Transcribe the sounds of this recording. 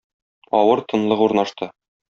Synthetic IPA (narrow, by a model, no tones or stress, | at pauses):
ɒ̰wɤɾt̪ɤ̆nlˠɤquɾnɑʃt̪ɤ